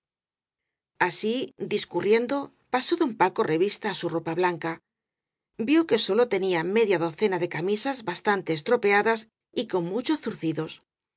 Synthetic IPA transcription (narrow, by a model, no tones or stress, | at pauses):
asid̪iskurje̞nd̪o̞ | paso̞ðo̞mpako̞rʔe̞βist̪aːsuro̞paβlaŋka | bjoke̞so̞lo̞t̪e̞niame̞ðjaðo̞θe̞naðe̞kamisazβast̪ant̪e̞ːst̪ɾo̞pe̞aðas | iko̞mmut͡ʃoθuɾθiðo̞s